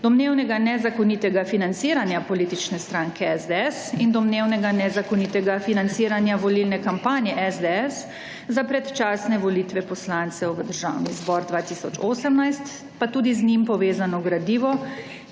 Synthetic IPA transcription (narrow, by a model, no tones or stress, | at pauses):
d̪ɔmneːwnɛɡanɛzakɔnit̪ɛɡafinant̪siːɾanjapɔliːt̪it͡ʃnɛst̪ɾaŋkɛɛzd̪ɛɛsind̪ɔmneːwnɛɡanɛzakɔniːt̪ɛɡafinant̪siːɾanjaʋɔlilnɛkampaːnjɛʔɛzd̪ɛɛs | zapɾɛt̪t͡ʃaːsnɛʋɔliːt̪ʋɛpɔslant̪sɛwʋəd̪əɾʒa̰ːwnizbɔːɾd̪ʋaːt̪isɔt͡ʃoːsəmnajst̪ | pat̪uːd̪iznimpɔʋeːzanɔɡɾad̪iːʋɔ